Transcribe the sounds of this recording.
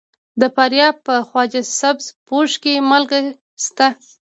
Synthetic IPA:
d̪əpaɾjɑpəxwɑd͡ʒasabzpoʃkemalɡa | st̪a

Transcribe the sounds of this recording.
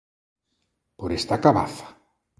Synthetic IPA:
poɾest̪akaβa̰θḁ

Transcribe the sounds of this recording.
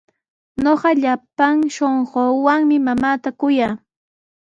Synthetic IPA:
ɲoɢɑʎapaŋʃoɴɢoːwaŋmɪmamaːt̪akʊjaː

